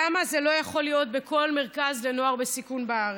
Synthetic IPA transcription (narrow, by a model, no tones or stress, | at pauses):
amaze̞lo̞jaχo̞lijo̞t̚be̞ko̞lme̞ʁkazle̞no̞aʁbesikunbaaʁ